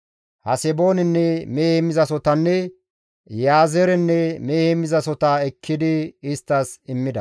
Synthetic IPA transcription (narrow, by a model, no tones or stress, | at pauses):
hɐsɛbo̞ːnɪnːɛmeːhɛmɪzɐsɔt̪ɐnːɛ | jaːzɛɾɛnːɛmeːhɛmɪzɐsɔt̪ɐɛkʰːɪd̪ɪɪst̪ːɐsɪmːɪd̪ɐ